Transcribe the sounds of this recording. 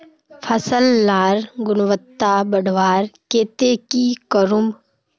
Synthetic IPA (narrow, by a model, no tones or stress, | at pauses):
pʰəsəlːaːɾɡʊnʋət̪ːabəɖʋaːɾkeːt̪ekikəɾʊmb